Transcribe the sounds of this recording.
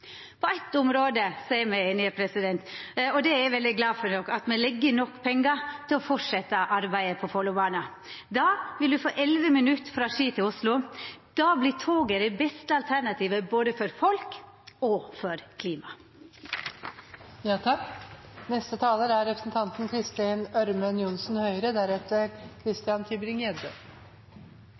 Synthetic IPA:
pʰɔɛt̪ːʊmɾoːd̪əsæɪəmæɪeːnɪəpʰɾɛsɪd̪ɛnt̪ɔd̪ɛæɾʋɛld̪ɪɡlɑːfɔnɔkːɑt̪mɛlɛɡːənɔkːpʰɛŋːɑt̪ʰɪlɔfɔʂɛt̪ːəʔɑɾbæɪəpʰɔfɔlːʊbɑːnɑ | d̪ɑːʋɪld̪ʉfo̰ːʔɛlʋəmɪnʉt̪ːfɾɑːʂiːt̪ʰɪlʊslʊd̪̥ɑːblɪtʰoːɡəɾɛbɛst̪əɑlt̪ʰæɳɑt̪ʰiːʋəboːd̪əfɔɾfɔlk | ɔfɔɾkʰliːmɑ | jɑːt̪ʰɑkːnɛst̪ət̪ʰɑːləɾæɾɾɛpɾə̥sn̩t̪ʰɑnt̪nkʰɾɪst̪ɪnœɾmənjʊnsn̩hœʏɾəd̪æɾɛt̪əɾkʰɾɪst̪ɪjɑnt̪ʰɪbɾɪŋɛːd̪ə

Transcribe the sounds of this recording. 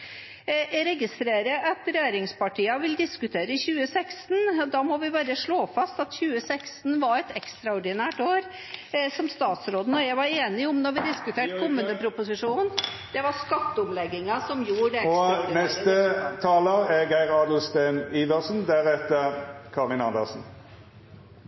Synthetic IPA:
ɾɛɡɪst̪ɾeːɾəʔɑt̪ɾɛjeːɾɪŋspɑʈiːəʋɪld̪ɪskʉt̪ʰeːɾəɪçʉːəsɛkst̪nd̪ɑːmɔʋɪbɑɾəʂɭoːfɑst̪ɑt̪çʉːəsɛkst̪n̩ʋɑɾɛt̪ɛkst̪ɾɑɔɖɪnæːʈoːɾ | sɔmst̪ɑːt̪sɾoːd̪n̩ɔjæɪʋɑɾeːnɪʊmnɔɾʋɪd̪ɪskʉt̪ʰeːʈkʰɔmːʉnəpʰɾʊpʊsɪʂuːnn | d̪̥ɛʋɑskɑt̪ːəʊmlɛɡːɪŋɑsɔmjuːɖɛɔnɛst̪ət̪ʰɑːləʁɛɡæɪʁɑːd̪ʊst̪æɪniːʋəʁsnd̪æʁɛt̪ːəʁkʰɑʁɪnɑnd̪əsn̩

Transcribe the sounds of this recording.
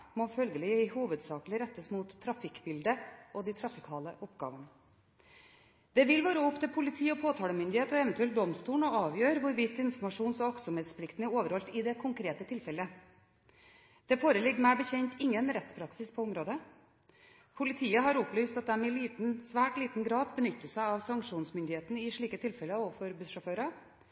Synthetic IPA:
mɔfœlɡəlɪəɪhuːʋəd̪sɑːklɪɾɛt̪ːəsmʊt̪ʰːɾɑfɪkːbɪld̪əʔɔd̪ɪt̪ʰɾɑfɪkʰɑːləʔɔpɡɑ̰ːʋənə | d̪ɛʋɪlʋoːɾəʊpt̪ʰɪlpʰʊlɪt̪ʰiːɔpʰoːt̪ʰɑːləmʏnd̪ɪheːt̪ɔɛʋənt̪ʉɛld̪ɔmst̪uːɳɔɑːʋjøːɾʋʊɾʋiːt̪ːɪnfɔɾmɑʂuːnsɔʋɑk̪sʊmheːt̪spʰlɪkt̪n̩oːʋəɾhɔlt̪ɪd̪ɛkʰʊŋkʰɾeːt̪ət̪ʰɪlfɛlːə | d̪̥ɛfoːɾəlɪɡːmæɪbəçɛɲt̪ɪŋːənɾɛt̪spʰɾɑksɪspʰɔʊmɾoːd̪ə | pʰʊlɪt̪ʰiːəɦɑɾʊplyːst̪ɑt̪̚d̪ɛmɛɪliːt̪nsʋæːʈliːt̪n̩ɡɾɑːd̪bənʏt̪ːəsæɪɑʋsɑŋkʂuːnsmʏnd̪ɪheːt̪ən̩əɪʂɭiːkət̪ʰɪlfɛləoːʋfɔɾbʉʂɔføːɾɑ

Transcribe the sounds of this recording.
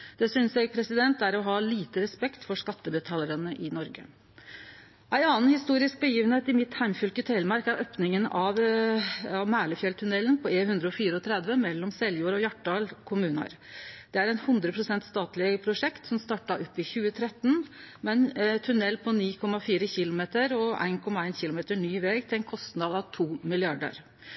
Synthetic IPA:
d̪̥ɛsʏnsjɛɡ̚pʰɾɛsɪd̪ɛnt̪æɾɔɦɑːliːt̪əɾɛspɛkt̪fɔʂkɑt̪ːəbət̪ʰɑːləɾənəʔɪnɔɾɡə̰ | ʔæɪɑːnhɪst̪uːɾɪsk̚bəjiːʋənheːt̪ɪmɪt̪hæɪmfʉlkət̪ʰɛɪlmɑɾkæɾøːpnɪŋənɑʋ | ɑʋmæːɭəfjɛlt̪ʰʉnɛlːənpʰɔeːhʉnd̪ɾəɔfiːɾəɔt̪ʰɾɛd̪ʋəmɛlːɔmsɛlːjuːɾɔjɑʈːɖɑːlkʰʊmʉːnɑ̰ɾ | d̪̥ɛæɾæɪnhʉnd̪ɾəpʰɾʊsɛnt̪st̪ɑːt̪lɪpʰɾʊʂɛkt̪sɔmst̪ɑːʈːɑʔɔpːɪçʉːət̪ʰɾɛt̪ːn̩mɛnt̪ʰʉnɛlːpʰɔniːkʰɔmːɑfiːɾəçɪlʊmeːt̪əɾɔæ̰ɪnkʰɔmɑæɪnçɪlʊmeːt̪əɳyːʋɛːɡt̪ɪlæɪnkʰɔst̪nɑd̪ɑʋt̪ʰuːmɪlɪɑɖə̰ɾ

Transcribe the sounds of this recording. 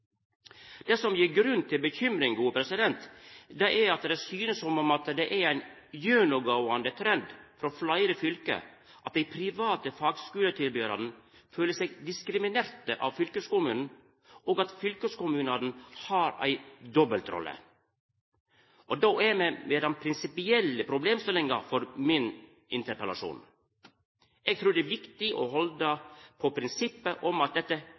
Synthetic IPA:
d̪̥ɛsɔmjiːɡɾʉnt̪ʰːɪlbəçʏmɾɪŋɡuːəpʰɾɛsɪd̪ɛnt̪d̪ɛʔæɾɑt̪d̪ɛsyːnəsɔmɔmɑt̪d̪ɛʔæɾæɪn | jønʊɡoʊɑnd̪ət̪ʰɾɛnd̪fɾɔflɑɪɾəfʏlkə̰ | ʔɑt̪̚d̪ɛɪpʰɾɪʋɑːt̪əfɑːɡskʉːlət̪ʰɪlbyːɾɑ̰d̪n̩ | føːləsɛɡd̪ɪskɾɪmɪneːɾt̪əʔɑ̰ʋfʏlkəskʊmʉːnn̩ | oːɡɑt̪fʏlkəskʊmʉːnɑːd̪n̩hɑɾæ̰ɪd̪ɔbəlt̪ɾɔ̰lːə̰ | ʔɔd̪oɛmɛmeːd̪ɑnpʰɾɪnsɪpɪɛlːəpʰɾʊbleːmst̪ɪlɪŋɑɾfɔɾmɪn | ɪnt̪əɾpəlɑʂṵːn | ɛɡ̚t̪ʰɾʉːɖ̪ɛːʋɪkt̪ɪʔɔɦɔld̪əpʰɔpʰɾɪnsɪpːəʔɔmɑt̪̚d̪ɛt̪ːə

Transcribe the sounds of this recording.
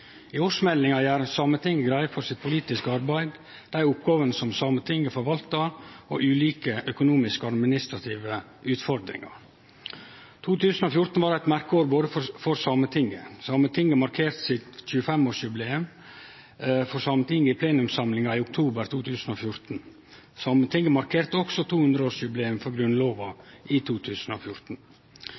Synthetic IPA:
ɪoːʂmɛlɪŋɑæːɾsɑmət̪ʰɪŋːəɡɾæɪfɔɾsɪt̪̚pʰʊliːt̪ɪskəɑɾbæɪd̪ | d̪̥æɪʊpɡɑːʋənəsɔmsɑmət̪ʰɪŋːəfɔɾʋɑlt̪ɑo̰ːʔʉːliːkəʔœkʊnuːmɪskəɑd̪mɪnɪst̪ɾɑt̪ʰiːʋə | ʉːt̪fɔɾd̪ɾɪ̰ŋɑ̰ | t̪ʰuːt̪ʰʉːsn̩ɔfjʊɾt̪n̩ʋɑːɾæɪt̪mæɾkəoːɾboːd̪əfɔfɔɾsɑmət̪ʰɪŋəsɑːmət̪ʰɪŋɡəmɑɾkʰeːɾt̪sɪt̪çʉːəfɛmoːʂjʉbleːʉm | fɔɾsɑmət̪ʰɪŋːəɪːpʰleːnʉmsɑmlɪŋɑiːʊk̚t̪ʰuːbəɾt̪ʰuːt̪ʰʉːsn̩oːfjʊɾt̪n̩ | sɑmət̪ʰɪŋɡəmɑɾkʰeːɾt̪ɔksɔt̪ʰuːhʉnd̪ɾəoːʂjʉbleːʉmfɔɾɡɾʉnloːʋɑʔiːt̪ʰuːt̪ʰʉːsn̩o̰ːfjʊɾt̪n̩

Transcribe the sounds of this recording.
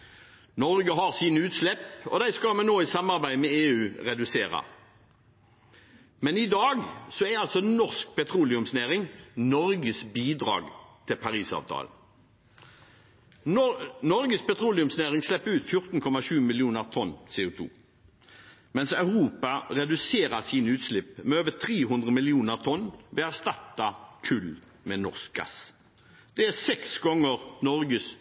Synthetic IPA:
nɔʁɡəɦɑʁsiːnəʉːt̪slɛpɔ̰d̪æɪskɑmɛnoːɪsɑmɑʁbæɪmɛeːʉːʁɛd̪ʉseːʁɑ̰ | mɛnɪd̪ɑːɡsɔæʁɑlsɔnɔʁsk̚pʰɛt̪ʰʁuːlɪʉmsneːʁɪŋnɔʁɡəsbiːd̪ʁɑ̰ːɡt̪ʰɪlpʰɑʁiːsɑ̰ːʋt̪ʰɑ̰ːl | nɔɾɡəspɛt̪ʰʁuːlɪʉmsneːʁɪŋslɛpːəʉːt̪fjʊʁt̪n̩kʰɔmɑʃʉːmɪlɪuːnəʁt̪ʰɔnːseːuːt̪ʰṵː | mɛnsɑʉʁuːpɑʁɛd̪ʉseːʁəsiːnəʉːt̪slɪpmɛøːʋət̪ʰʁeːɦʉnd̪ʁəmɪlɪuːnəʁt̪ʰɔnːʋɛːæʁst̪ɑt̪ːɑkʰʉl | mɛnɔʁsk̚ɡɑ̰s | d̪̥ɛæsɛksɡɔŋːəʁnɔʁɡəs

